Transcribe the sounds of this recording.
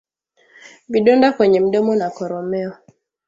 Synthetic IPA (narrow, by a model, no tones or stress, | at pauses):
biɗɔndakwɛɲɛm̩ɗɔmɔnakɔɾɔmɛɔ